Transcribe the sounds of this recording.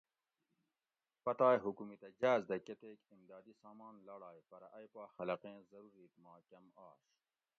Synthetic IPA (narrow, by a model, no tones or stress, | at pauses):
pɐt̪aːjɦukumit̪ɐd͡ʑaːzd̪ɐket̪eːkimd̪ɑːd̪isɑːmɑːnlɐɽɑːjfɐɾɐʔɐjpɑːxɐlɐqẽːzɐɾuɾiːt̪mɑːkɐmɑ̰ːɕ